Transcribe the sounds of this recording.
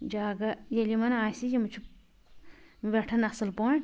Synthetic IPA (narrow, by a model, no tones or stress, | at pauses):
d͡ʒaːɡɐjelimɐnaːsijemut͡ʃʰu | ʋeʈʰɐnɐsɨlpoɳ